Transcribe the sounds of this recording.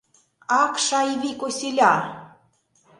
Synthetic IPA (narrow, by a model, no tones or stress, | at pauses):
ɑkʃɑiβikosʲelʲɑ